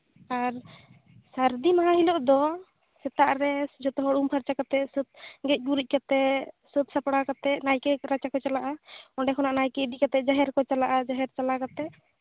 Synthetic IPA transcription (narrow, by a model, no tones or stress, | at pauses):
aɾ | saɾd̪imaɦãɦilɔʔd̪ɔ | sɛt̪aʔɾɛd͡ʒɔt̪ɔɦɔɽumpʰaɾt͡ʃakat̪ɛsət̪̚ɡɛc̚ˀɡuɾuc̚ˀkat̪ɛsət̪̚sapɽakat̪ɛʔnajkɛɾat͡ʃakɔt͡ʃalaʔaɔɳɖɛkʰɔnaʔnajkɛid̪ikat̪ɛd͡ʒaɦɛɾkɔt͡ʃalaʔad͡ʒaɦɛɾt͡ʃalakat̪ɛ